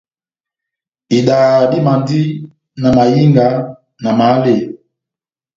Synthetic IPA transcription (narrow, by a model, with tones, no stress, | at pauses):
i˨ɗaː˨ɗi˦ma˨ndi˦ | na˨ma˨ji˦ŋɡa˨˦ | na˨ma˨˦le˨